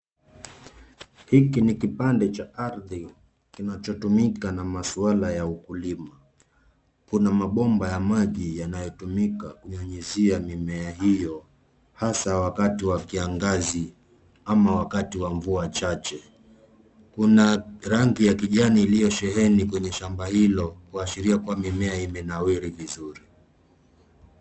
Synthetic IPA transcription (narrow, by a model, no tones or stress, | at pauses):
hikinikipandɛt͡ʃaaɾði | kinat͡ʃɔtumikanamasualajaukulima | kunamaɓɔmbajamaʄijanajɔtumikakuɲaɲiziamimɛahijɔ | hasawakatiwakiaŋɡazi | amawakatiwaɱvuat͡ʃat͡ʃɛ | kunaɾaŋɡijakiʄaniːlijɔʃɛɦɛnikwɛɲɛʃambahilɔkuaʃiɾiakuamimɛaimɛnawiɾivizuɾi